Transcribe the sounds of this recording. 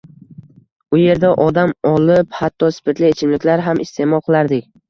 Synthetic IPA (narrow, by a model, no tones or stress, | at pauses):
ʊje̞ɾd̪aʔɒd̪amɒlˠɪphat̪ʰːɒspʰɪt̪lɪet͡ʃʰɪmlɪkʲlaɾɦamʔɪst̪ʰe̞mɒlˠqʰɨlˠaɾd̪ɪkʲ